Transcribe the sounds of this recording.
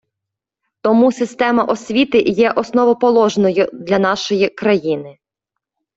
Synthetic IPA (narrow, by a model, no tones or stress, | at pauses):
t̪ɔmusɪst̪ɛmɐʔɔsʲʋʲit̪ɪjɛʔɔsnɔʋɔpɔlˠɔʒnɔjʊd̪lʲɐnɑʃɔjikɾɐjinɪ